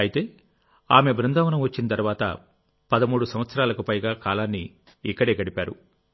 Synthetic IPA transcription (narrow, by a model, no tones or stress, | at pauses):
ɐjit̪e̞ː | aːme̞bɾɐnd̪aːʋɐnɐmʋɐt͡ʃːinɐt̪ɐɾuʋaːt̪ɐ̰ | pɐd̪ɐmuːɽusɐm̃ʋɐt̪sɐɾaːlɐkupɐjɡaːkaːlaːnːiː | kːɐɽe̞ːɡɐɽipaːɾṵ